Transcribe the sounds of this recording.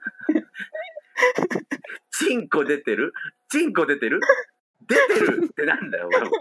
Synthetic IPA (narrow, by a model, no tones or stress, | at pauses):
t͡ɕĩŋko̞d̪e̞t̪e̞ɾɯ̟t͡ɕĩŋko̞d̪e̞t̪e̞ɾɯ̟ | d̪e̞t̪e̞ɾɯt̪ːe̞nãnd̪ajo̰